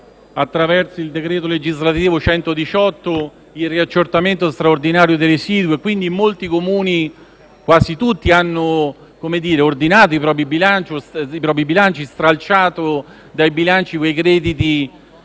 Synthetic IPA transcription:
at̪ːɾavɛrt̪soild̪ekɾɛːt̪oled͡ʒizlat̪iiːvot͡ʃɛnt̪od̪it͡ʃɔt̪ːo | ilriat͡ʃːort̪ament̪ost̪ɾaord̪inaːɾjod̪elesiːd̪uekwind̪imolt̪ikomuːni | kwaːsit̪ut̪ːianːo | komed̪iːɾeord̪inaːt̪oipɾɔːpɾibilant͡ʃosipɾɔːpɾibilant͡ʃist̪ɾalt͡ʃaːt̪o | d̪ajbilant͡ʃikwejkɾɛːd̪it̪i

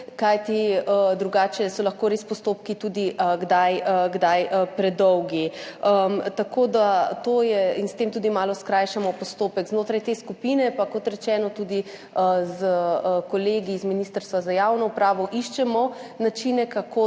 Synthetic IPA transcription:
kajt̪iəd̪ɾuɡaːt͡ʃɛsɔlɐxkoɾeːspɔst̪oːp̚kit̪uːd̪iəɡd̪ajəɡd̪ajəpɾɛd̪ɔwɡiəmt̪akʰoːd̪at̪oːjɛinst̪eːmt̪uːd̪imaːlɔskɾajʃamɔpɔst̪oːpɛkznoːt̪ɾajt̪eːskupinɛpakɔt̪ɾɛt͡ʃɛːnɔt̪ud̪i | əzəkɔleːɡiːzminist̪əɾst̪ʋazajawnɔupɾaːʋɔʔiʃt͡ʃɛmɔnat͡ʃinɛkakʰo

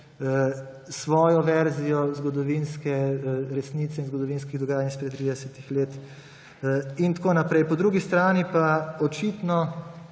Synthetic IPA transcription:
sʋɔːjɔʋɛɾzijɔzɡɔd̪ɔʋinskɛɾɛsniːt̪sɛinzɡɔd̪ɔʋiːnskiɣd̪ɔɡaːjanispɾɛt̪t̪ːɾiːd̪ɛsɛt̪ixleːt̪ | int̪koːnapɾɛjpɔd̪ɾuɡist̪ɾaːnipaɔt͡ʃit̪nɔ

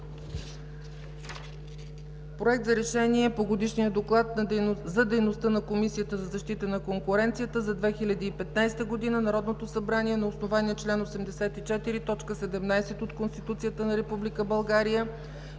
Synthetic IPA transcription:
pɾoɛk̚t̪zɐɾɛʃɛniɛpoɡod̪iʃnijəd̪oklˠat̪zɐd̪ɛjnost̪ənɐkomisijət̪əzɐzɐʃt̪it̪ənɐkoŋkʊɾɛnt̪sijət̪əzɐd̪vɛxilʲɐd̪iːpɛt̪najst̪əɡod̪inənɐɾɔd̪not̪osɐbɾaniɛnɐosnovaniɛt͡ʃlɛnosɛmd̪ɛsɛt̪it͡ʃɛt̪iɾit̪ɔt͡ʃkəsɛd̪ɛmnajsɛt̪ot̪konst̪it̪ut̪sijət̪ənɐɾɛpublikəbɐlˠɡaɾijə

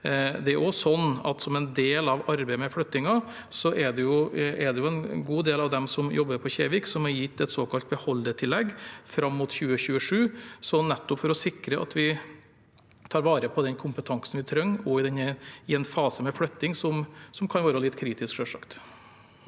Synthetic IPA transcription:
d̪ɛæɾʔɔsɔnːɑ̰t̪sɔmɛnd̪eːlɑʋɑɾbɛɪmɛfɽœt̪ːɪŋɑ | sɔʔɛɖɛjʊɛɖ̪ɛjʊɛnɡuːd̪eːlɑʋd̪ɛmsɔmjʔɔbːəɾpʰɔçeːʋɪksɔmɛɾjɪt̪ːɛt̪soːkɑlt̪̚bəhɔlːəʈʰɪlːɛɡfɾɑmːuːt̪çʉːəçʉːəʂʉːsɔnnɛt̪ːɔpfɔɾɔsɪkɾəʔɑ̰t̪ʰʋɪ | t̪ʰɑːɾʋɑːɾəpʰɔd̪ɛnkʰʊmpət̪ʰɑŋsn̩ʋɪt̪ʰɾœŋːɔɪd̪ɛnəɪɛnfɑːsəmɛflœt̪ːɪŋsɔmsɔmkʰɑnʋɑːɾəlɪt̪ːkʰɾiːt̪ɪskʂøːʂɑ̰kt̪

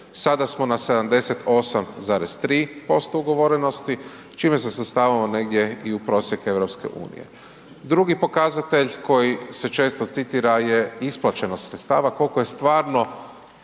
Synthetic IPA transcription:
sad̪asmo̞nase̞d̪amd̪e̞se̞t̪ʰo̞samzaːɾest̪ɾiːpo̞st̪ouɡo̞ʋo̞ɾeno̞st̪i | t͡ʃiːme̞s̬eset̪st̪aːʋamone̞ɡd̪je̞iupɾo̞ːsjeke̞ʋɾo̞pske̞̰ʔṵːnḭje̞̰ | d̪ɾuɡipo̞kazat̪e̞ʎko̞jise̞t͡ʃe̞ːst̪o̞t̪sit̪iɾaje̞isplˠat͡ʃe̞nost̪sɾet̪st̪aːʋako̞lkoje̞st̪ʋaːɾno̞

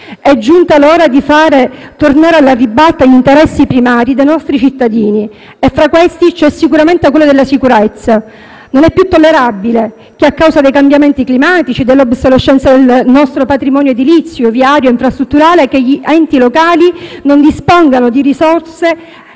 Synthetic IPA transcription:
ɛd͡ʒːunt̪aloːɾad̪ifaːɾet̪ornaːɾealːaribːalt̪ːaʎint̪eɾɛsːipɾimaːɾid̪ejnɔst̪ɾit͡ʃit̪ːad̪iːni | efːɾakːwest̪it͡ʃɛsːikuɾament̪ekwelːod̪elːasikuɾɛt̪sːa | nonɛpːjut̪ːolːeɾabile | k̟eakːawsad̪ejkambjament̪iklimaːt̪it͡ʃid̪elːobsoleʃːɛnt̪sad̪elnɔst̪ɾopat̪ɾimɔːnjoed̪ilit̪sːjoviaɾjoiɱfɾast̪ɾut̪ːuɾaːlek̟eʎːiʔɛnt̪ilokaːlinond̪ispɔŋɡanod̪iɾisɔrse

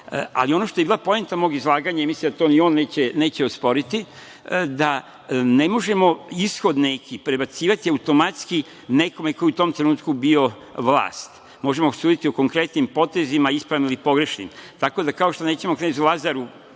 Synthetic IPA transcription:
a̰lio̞no̞ʃt̪oeilapo̞ent̪amoːɡizlˠaːɡaɲaimislimd̪at̪o̞ːnio̞ːnːe̞ːt͡ɕene̞ːt͡ɕeospo̞ɾit̪i | d̪a | ne̞mo̞ʒe̞mo̞isxo̞d̪nekʰipɾe̞bat̪siːʋat̪iaut̪o̞mat̪ski | ne̞ko̞meko̞jiut̪o̞mt̪ɾe̞nuːt̪kubio̞ | ʋla̰ːst̪ | mo̞ʒe̞mosuːd̪it̪io̞ko̞ŋkɾe̞t̪nimpo̞t̪e̞zimaispɾamilipo̞ɡɾeʃnḭmt̪ako̞d̪akaoʃt̪one̞ːt͡ɕemokɾezulˠazaɾu

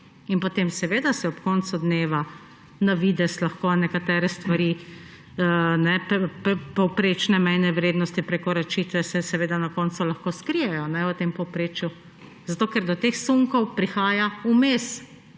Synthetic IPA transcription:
inpɔt̪eːmsɛʋeːd̪asɛɔpkɔnt̪sud̪neːʋa | naʋiːd̪ɛslaxkonɛkat̪ɛːɾɛst̪ʋaɾi | nɛpppɔwpɾeːt͡ʃnɛmɛjnɛʋɾeːd̪nɔst̪ipɾekɔɾat͡ʃiːt̪ʋɛsɛsɛʋeːd̪anakɔnt̪sulaxkoskɾijɛjɔnɛʋət̪empɔwpɾeːt͡ʃju | z̥at̪oːkɛɾd̪ɔt̪exsuŋkɔwpɾixaːjaumes

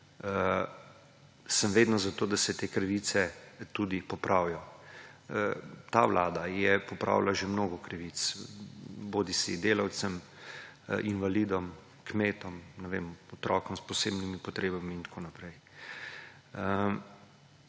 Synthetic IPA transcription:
ə | səmʋeːd̪nɔzat̪oːd̪asɛt̪eːkɾʋit̪sɛt̪ud̪ipɔpɾʔawjɔ | t̪awlaːd̪ajɛpɔpɾa̰wlaʒemnoːɡɔkɾʋit̪s | boːd̪isḭd̪eːlawt̪səm | ʔinʋalid̪ɔm | kmeːt̪ɔmnɛʋḛmɔt̪ɾʔɔːkɔmspɔseːbnimipɔt̪ɾeːbamiːnt̪kʰoːnapɾɛj | ə

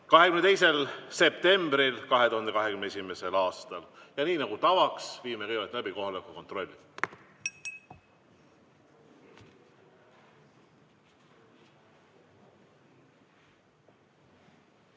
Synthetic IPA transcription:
kɑɦekymnet̪ejs̬e̞lse̞p̚t̪e̞mbɾilkɑɦe̞t̪uhɑnd̪e̞kɑɦekymneesime̞se̞lɑːst̪ɑljɑniːnɑɡ̥ut̪ɑvɑksviːmekɤjvet̪læbiko̞ɦɑlekːˑuko̞nt̪ro̞lʲːi̥

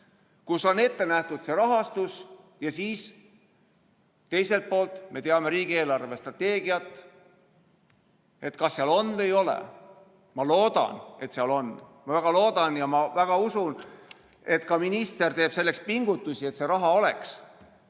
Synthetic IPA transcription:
kuso̞ne̞t̪ːe̞næht̪ud̪̥seɾɑɦɑst̪us | jɑsiːs | t̪ːe̞jse̞lt̪̚po̞ːlt̪ˑme̞t̪e̞ɑme̞ɾiːɡie̞ːlɑrve̞st̪rɑt̪ːe̞ːɡ̥iɑt̪ːˑ | e̞t̪kɑsːeɑlo̞nd̪e̞jo̞lḛ | mɑloːd̪̥ɑ̰ne̞t̪seɑlo̞nːmɑvæɡ̥ɑlo̞ːd̪ɑnjɑmɑvæɡ̥ɑusun | e̞t̪kɑminist̪e̞rt̪e̞ːb̥se̞lːe̞kspiŋɡ̥ut̪ːˑusie̞t̪se̞ɾɑɦɑo̞leks

